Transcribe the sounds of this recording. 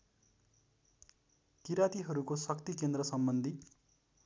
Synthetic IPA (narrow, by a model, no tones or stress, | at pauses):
kiɾat̪iɦʌɾukosʌkt̪ikend̪ɾʌsʌmbʌnd̪ʱi